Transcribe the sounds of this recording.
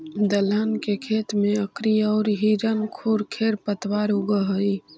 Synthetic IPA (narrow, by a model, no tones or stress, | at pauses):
d̪ələnkekʰeːt̪mẽəkɾiɔːɾɦiːɾənkʰuːɾkʰeːɾpət̪waːɾʊɡəɦəi